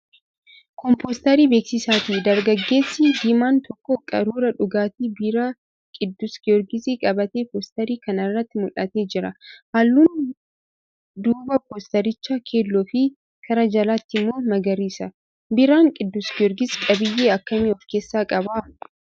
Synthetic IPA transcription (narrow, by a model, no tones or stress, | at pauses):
kɔmpoːst̪ɐɾiːbe̞ːksɪsaːt̪id̪ɐɾɡɐɡːe̞ːsːɪd̪ɪmaːnt̪ɔkːɔkʼɐɾuːɾɐᶑʊɡaːt̪ibiɾa | kʼɪd̪ːʊskɪɔɾɡɪsikʼɐbɐt̪eːpoːst̪ɐɾiːkɐnɐrːɐt̪ːɪmʊlʔɐ̰t̪e̞ːd͡ʒɪɾɐhaːlːuːn | d̪uːbɐpoːst̪ɐɾɪt͡ʃːɐkʰe̞ːlːɔfɪ | kʰɐɾɐd͡ʒɐlat̪ːɪmːo̞ːmɐɡɐɾiːsɐ | bɪɾaːŋkʼɪd̪ːʊskɪɔɾɡɪskʼɐbɪjːeːɐkːɐmɪɔke̞ːsːaːkʼɐbaː